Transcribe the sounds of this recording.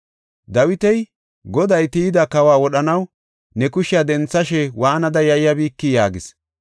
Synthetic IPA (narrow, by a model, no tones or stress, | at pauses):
d̪ɐwɪt̪ɛj | ɡɔd̪ɐjt̪iɪd̪ɐkɐwaːwɔɗɐnɐw | nɛkʊʃɪjɐd̪ɛnt͡sːɐʃɛwaːnɐd̪ɐjɐɪjɐbiːkːɪjaːɡɪs